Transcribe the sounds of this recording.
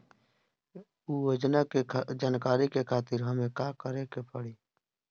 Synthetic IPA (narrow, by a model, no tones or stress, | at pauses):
uod͡ʒnaked͡ʒaːnkaːɾikekʰaːt̪ɪɾɦəmẽkaːkəɾekepəɽiː